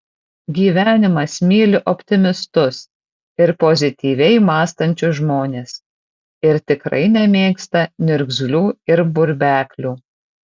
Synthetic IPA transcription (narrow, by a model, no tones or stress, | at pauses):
ɡʲiːʋʲæːnʲɪmɐsmʲiːlʲɪʔɔpʲt̪ʲɪmʲɪst̪ʊs | ɪɾpozʲɪt̪ʲiːʋʲɛɪmɑːst̪ɐnʲt͡ʃʲʊʒmoːnʲeːs | ɪɾt̪ʲɪkɾɐ̰ɪnʲɛmʲeːkst̪ɐnʲʊɾʲɡzʲlʲuːɪɾbʊɾʲbʲæːkʲlʲuː